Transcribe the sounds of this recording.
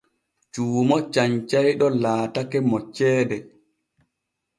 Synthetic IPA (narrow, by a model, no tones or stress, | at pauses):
t͡ʃuːmɔt͡ʃaɲt͡ʃajɗɔlaːtakɛmɔt͡ʃːɛːdɛ